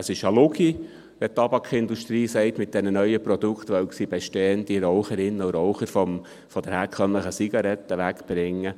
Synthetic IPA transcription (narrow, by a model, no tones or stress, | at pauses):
əsɪʃɑlʊɡi | ʋɛt̪ɑbɑkʰɪnd̪uʃt̪ɾiːsɛɪt̪mɪt̚d̥ɛnənœʏəpɾɔd̥̪ukt̪ʋœʊksib̥eʃtɛːənd̪iɾɔʊχəɾɪnːəuɾɔʊχəɾfɔm | fɔd̥̪əɾhæːɾkχœnləχəsiɡ̥ɑɾɛt̪ːəʋækb̥ɾɪŋːə